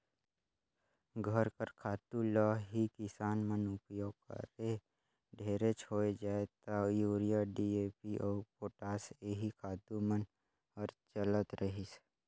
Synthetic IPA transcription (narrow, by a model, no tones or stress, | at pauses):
ɡʱəɾkəɾkʰaːt̪uləɦikɪsaːnmənʊpjoːɡ̚kə̰ɾe | ɖʱeːɾet͡ʃʰoːed͡ʒaːet̪ajuːɾijaɖiːeːpiʔɔːɾpoːʈaːseɦikʰaːt̪umən | ɔɾt͡ʃələt̪ɾəɦis